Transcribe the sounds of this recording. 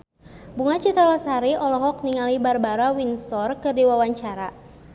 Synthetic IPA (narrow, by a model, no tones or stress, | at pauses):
buŋat͡ʃit̪ɾalasaɾiʔɔlɔɦɔk̚niŋalibarbaɾawinsɔrkɨrdiwawaɲt͡ʃaɾa